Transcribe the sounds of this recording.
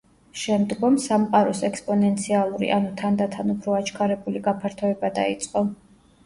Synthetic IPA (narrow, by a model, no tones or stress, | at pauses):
ʃɛmd̪ɡɔmsamqʼaɾɔsɛkspʼɔnɛnt̪sʰialˠuɾḭʔanut̪ʰand̪at̪ʰanupʰɾɔat͡ʃʰkʰaɾɛbuliɡapʰaɾt̪ʰɔɛbad̪a̰it̪sʼqʼɔ